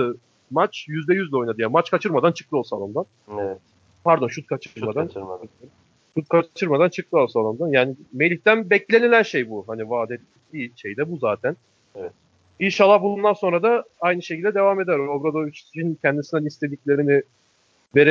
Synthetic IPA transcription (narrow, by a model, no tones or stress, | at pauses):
ɯ | mat͡ʃjyzd̪ɛjyzlʲɛo̞jnad̪ɯjaːnmat͡ʃkʰat͡ʃʰɯɾmad̪ant͡ʃʰɯ̥kt̪ʰɯosa̰lˠɯmd̪an | ɛ | paɾd̪o̞nʃut̪̚kʰat͡ʃʰɾmad̪an | ʃut̪̚kʰat͡ʃʰɯɾmad̪ant͡ʃʰɯk̚t̪ʰɯo̞lˠsalˠamd̪anjaːnime̞lʲiçt̪ænbɛclʲe̞nilʲænʃe̞jbuɦanivaːd̪e | iːʃe̞jd̪ɛbuzaːt̪ʰæn | inʃalˠːabulˠund̪anso̞nɾad̪aajnɯʃecʰilʲd̪ɛd̪e̞vaːme̞d̪æɾobɾad̪ovit͡ʃincʰɛnd̪isinɛlʲist̪e̞d̪iclʲe̞ɾinɪ | ve̞ɾe